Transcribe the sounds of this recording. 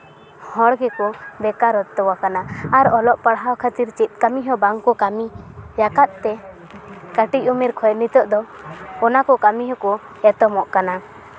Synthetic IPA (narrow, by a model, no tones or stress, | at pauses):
hɔɽɡɛkɔb̪ɛkaɾɔt̪ːɔwakanaaɾɔlɔʔpaɽɦawkʰat̪iɾt͡ʃit̪̚ˀkamiɦɔbaŋkɔkamijakat̪̚t̪ɛ | kəʈicumiɾkʰɔjnit̪ɔʔd̪ɔ | kɔnakɔkamiɦɔkɔ | ɛt̪ɔmɔʔkana